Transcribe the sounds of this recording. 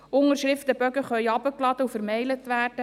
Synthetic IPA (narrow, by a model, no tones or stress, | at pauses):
ʊŋəɾʃɾɪft̪əbœɡəχœʏɑbəklɑd̥̪əufəɾmɛɪlətʋæːrd̥ə